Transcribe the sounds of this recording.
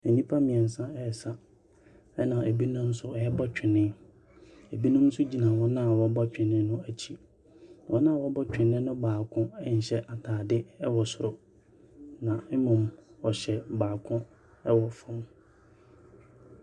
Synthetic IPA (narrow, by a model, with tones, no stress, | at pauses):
ɛ˨nĩ˦pʰa˦mɪ̃˨ɛ̃˨n̩˨sã˦ɛ˦ɛ˨sa˦ | ɛ˦nã˨ʔe˨bi˦nʊ̃˦n̩˦sʊ˦ɔ˨ɛ˦bɔ˦t͡ɕᶣʰɪ˨nɪ̃˦ | e˨bi˦nʊ̃˦m̩˦sʊ˦d͡ʑi˨nã˨wɔ˦nã˦˨wɔ˨˦bɔ˦t͡ɕᶣɪ̃˨nɪ̃˦nʊ̃˦æ˨t͡ɕʰĩ˦˨ | wɔ˦nã˦˨wɔ˦bɔ˦t͡ɕᶣɪ̃˨nɪ̃˦nʊ̃˦baː˨kʰʊ̃˦ɛ˦ɲ̩˨ɕɛ˦ʔa˨tʰaː˨dɪ˦ɛ˦wɔ˨sʊ˦ɾʊ˨ | nã˨mɪ˦mʊ̃˨mɔ˨ɕɛ˨baː˨kʰʊ̃˦ | ɛ˦wɔ˨fʊ̃˦m